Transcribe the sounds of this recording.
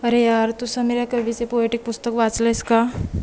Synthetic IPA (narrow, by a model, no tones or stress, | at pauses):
ɐɾejaːɾt̪usameːɾakɐbʱisepoeʈɪk̚pʊst̪əkʋaːt͡slaɪska